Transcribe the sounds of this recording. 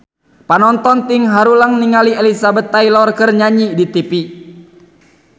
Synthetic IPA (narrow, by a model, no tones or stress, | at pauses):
panɔnt̪ɔnt̪iŋɦaɾulaŋniŋalielisabət̪ːajlɔrkɨrɲaɲidit̪ipi